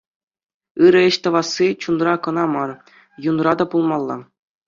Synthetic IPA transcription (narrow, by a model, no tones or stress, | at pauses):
ɯɾɘ̆ɘ̆ɕt̪ɤ̆ʋɑsːit͡ɕunrɑkɤ̆nɑmɑr | junrɑd̪ɑpulˠmɑlˠːɑ̰